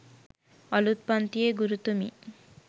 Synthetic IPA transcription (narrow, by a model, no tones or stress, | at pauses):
ɔlut̪̚pɔnt̪ieɡuɾut̪umḭ